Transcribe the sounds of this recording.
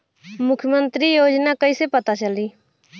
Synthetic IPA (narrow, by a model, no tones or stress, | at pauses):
mʊkʰjmə̃nt̪ɾiːjoːd͡ʒnaːkəiseːpət̪at͡ʃəliː